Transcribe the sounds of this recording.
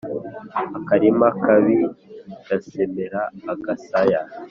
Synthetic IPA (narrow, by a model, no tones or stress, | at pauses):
akaɾimakaβiɡ̥asemeɾaːɡasaja